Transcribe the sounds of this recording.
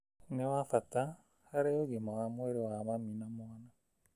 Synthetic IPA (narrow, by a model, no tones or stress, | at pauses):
newafata | haɾeoɣimawamweɾewamaminamwana